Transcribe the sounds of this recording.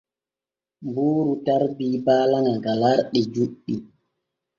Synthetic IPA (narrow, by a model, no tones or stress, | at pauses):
mbuːɾutaɾbiːbaːlaŋaɡalaɾɗɛd͡ʒuɗːi